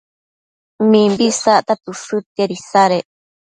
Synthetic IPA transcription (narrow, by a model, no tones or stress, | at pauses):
mĩmbisaʔt̪at̪uʂɨt̪aɾisaɾe